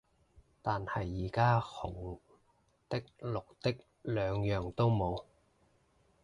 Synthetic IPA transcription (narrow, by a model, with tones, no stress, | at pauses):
t̪aː˨nhɐ˨jːiː˨˩kaː˥hʊ˨˩ŋ | t̪ɪ˥k̚lʊ˨k̚t̪ɪ˥k̚ | lœː˨˧ŋjœː˨ŋt̪o˥wmo˨˧w